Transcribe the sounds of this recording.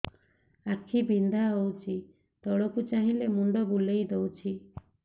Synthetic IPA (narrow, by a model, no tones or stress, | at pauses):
akʰibʱind̪ʱaɦowt͡ʃʰi | t̪ɔɽɔkut͡ʃaɦĩlemuɳɖɔbulejd̪ewt͡ʃʰi